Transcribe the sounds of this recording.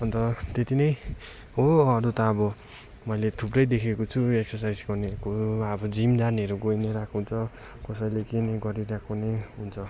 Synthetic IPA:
ʌnt̪ʌt̪et̪inʌj | ɦoʌɾut̪ʌːbʌ | mʌjlet̪ʰuprʌjd̪ekʰekot͡sʰueksʌrsajd͡zɡʌrnekoʌbʌd͡zimd͡zaneɦʌɾuɡojneɾakʰoɦunt͡sʰʌ | kʌsʌjlekenʌjɡʌɾiɾakʰoneɦunt͡sʰʌ

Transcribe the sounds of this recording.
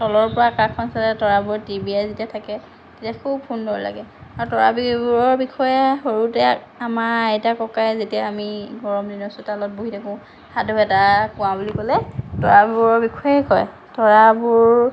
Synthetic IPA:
tɔlɔɹpɔɹakakʰpansalɛtɔɹabʊɹtibiazetiatʰakɛ | tetiakʰub̚pʰundɔɹɔla̰ɡɛaɹutɔɹa̰bibuɹɔɹbikʰɔjɛɦoɹutɛ | amaɹɛjtakɔkajzetijaamiɡɔɹɔmdinɔsʊtalɔt̚boɦitakũ | hadɔɛtakʊ̃wabulikɔlɛtɔɹabɹɔɹbikʰɔjekɔj | tɔɹabʊɹ

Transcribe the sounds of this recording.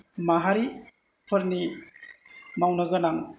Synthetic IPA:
maɦaɾi | pʰɯɾni | mawnəɡɯnaŋ

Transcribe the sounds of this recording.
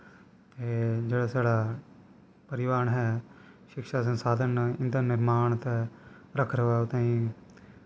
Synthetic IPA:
t̪eːd͡ʒeːɽaːsaːɽaː | pəɾɪʋaːɾɳɦɛː | ʃɪkʃaːsə̃nsaːd̪ʱənɪnd̪ənɪɾmaːɳt̪ɛː | ɾəkʰɾəʋaːʊt̪ãːĩː

